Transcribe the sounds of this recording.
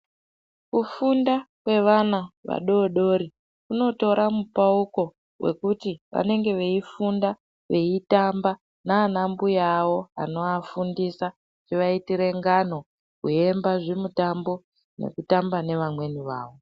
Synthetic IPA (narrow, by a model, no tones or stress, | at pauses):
kufundakwe̞ʋanaʋa̰ɗo̞ɗo̞ɾi | kuno̞to̞ɾʔamupauko̞ | wʔe̞̰kutiʋa̰ne̞ŋɡe̞ʋe̞ifunda | ʋe̞itamba | naːnambujawo̞a̰no̞afundisa | t͡ʃiʋaitiɾe̞ŋɡano̞ | kue̞mbaʐemutambo̞ | ne̞̰kutambane̞ʋamwe̞niʋa̰ːʋo̞